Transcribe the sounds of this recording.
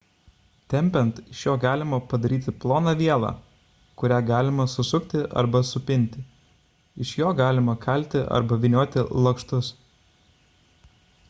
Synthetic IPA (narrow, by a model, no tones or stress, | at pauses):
t̪ʲɛmʲpʲɛnt̪ɪʃjoːɡɑːlʲɪmɐpɐd̪ɐɾʲiːt̪ʲɪplˠoːnɑʋʲiɛlˠɑ̰ː | kʊɾʲæːɡɑːlʲɪmɐsʊsʊkt̪ʲɪʔɐ̰ɾbɐsʊpʲɪnʲt̪ʲɪ | ɪʃjoːɡɑːlʲɪmɐkʰɐlʲt̪ʲɪʔɐ̰ɾbɐʋʲɪnʲoːt̪ʲɪlˠɐkʃt̪ʊs